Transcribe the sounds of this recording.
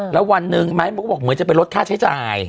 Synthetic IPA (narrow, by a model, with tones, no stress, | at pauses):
lɛː˦˥wa˧nːɯ˨˧ŋma˦˥jma˧˦˥kʰbɔ˨˩k̚mɯ˩˦nt͡ɕa˨˩pe˧nɾo˦˥t̪̚kʰaː˥˩t͡ɕʰa˦˥jt͡ɕaː˨˧˩j